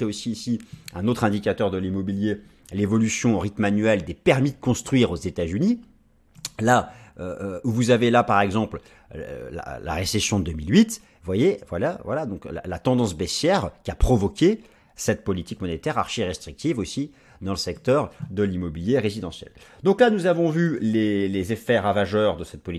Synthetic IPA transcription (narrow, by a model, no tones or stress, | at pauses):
t̪ɛosiːsiɛ̃not̪χɛ̃d̪ikʲat̪œʁd̪əlimɔbilje | levɔlysjɔ̃oʁit̪manɥɛld̪epɛʁmid̪əkɔ̃st̪χɥiʁozet̪azyni | laøuvuzavelapaʁɛɡzɑ̃pl | la̰la̰ʁesesjɔ̃d̪əd̪əmilɥit̪ | vwajevwalavwalad̪ɔ̃kla̰lat̪ɑ̃d̪ɑ̃sbɛsjɛʁkʲiapχɔvɔkʲe | sɛt̪̚pɔlit̪ikmɔnet̪ɛʁaʁʃiʁɛst̪χik̚t̪ivosi | d̪ɑ̃ləsɛkt̪œʁd̪əlimɔbiljeʁezid̪ɑ̃sjɛ̰ld̪ɔ̃klanuzavɔ̃vylelezefɛʁavaʒœʁd̪əsɛt̪̚pɔli